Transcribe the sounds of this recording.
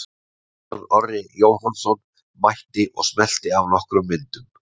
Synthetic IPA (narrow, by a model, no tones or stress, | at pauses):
ɾɔrːɪjoːwɦɔnsɔn | majht̪ɪʔɔɣsmɛl̥t̪ɪavnɔhkɾʏmːɪnt̪ʏm